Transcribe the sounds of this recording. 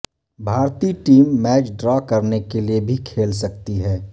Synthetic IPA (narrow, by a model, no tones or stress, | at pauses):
bʱaːɾt̪iʈiːmːɛːt͡ʃɖɾɔːkɐɾnekeliebʱikʰeːlsɐk̚t̪iɦɛː